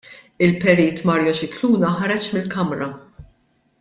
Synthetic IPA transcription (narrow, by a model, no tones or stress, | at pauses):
ɪlpɛɾiːt̪mɐːɾjɔʃɪkluːnɐħɐɾɛt͡ʃmɪlkɐmɾɐ